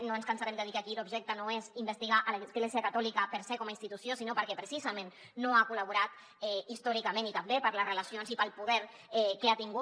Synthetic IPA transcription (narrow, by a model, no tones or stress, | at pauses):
noənskənsaɾɛmd̪əðikəkilubʒɛk̚t̪ənoezimbəst̪iɣaʔələzɣleziəkat̪ɔlikəpəɾsɛkɔmainst̪it̪usjosinopəɾkɛpɾəsizəmẽnː | oakuləβ̞uɾat̪ | ɛist̪ɔɾikəmẽnit̪ambepəɾləzrələsionzipəlˠpuðɛɾ | ɛkeat̪iŋɡu